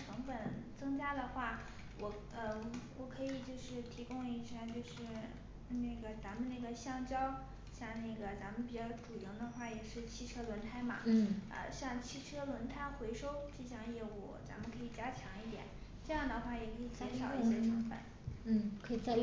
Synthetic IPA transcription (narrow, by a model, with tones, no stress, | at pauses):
ʈ͡ʂʰɤ˧˥ŋfə˨˩nt͡sɤ˥ŋt͡ɕja˥d̪ə˨xwa˥˩ | wɔ˨˩ | ə˥˧wɔ˨˩kʰɤ˧˥i˨˩t͡ɕjo˥˧ʊʂɻ̩˥˩t̪ʰi˧˥kʊ˥˧ŋi˥˩t͡ɕʰjɛ˥nt͡ɕjo˥˧ʊʂɻ̩˥˧ | ne˥˩ɡə˩t͡sa˧˥mə˨nne˥˩ɡə˩ɕjɑ˥˩ŋt͡ɕjɑ˥ʊ | ɕjɑ˥˧ŋne˥˩ɡə˩t͡sa˧˥mə˨npi˨˩t͡ɕjɑ˥˩ʊʈ͡ʂu˨˩i˧˥ŋd̪ə˧xwa˥˩jɛ˨˩ʂɻ̩˥˧t͡ɕʰi˥˧ʈ͡ʂʰɤ˥lwə˧˥nt̪ʰa˥ɪmɐ̰˩ə̰˧ɕjɑ˥˧ŋt͡ɕʰi˥˩ʈ͡ʂʰɤ˥lwə˧˥nt̪ʰa˥˩ɪxwe˧˥ɪʂo˥ʊʈ͡ʂɤ˥˧ɕ̬jɑ˥˧ŋjɛ˥˧wṵ˥˩t͡sa̰˧˥mə˧˨nkʰɤ˧˥i˨˩t͡ɕja˥t͡ɕʰjɑ˧˥ŋi˥˩t̪jɛ̰˨˩˦n | ʈ͡ʂɤ˥˧jɑ˥˩ŋd̪ə˩xwa˥˩jɛ˨˩kʰɤ˧˥i˨˩t͡sa˥˩tʰjɑ˨˧˥i˥˧ɕjɛ˥ʈ͡ʂʰɤ˧˥ŋfə̰˨˩˦n | n̩˥˩kʰɤ˧˥i˨˩t͡sa˥˧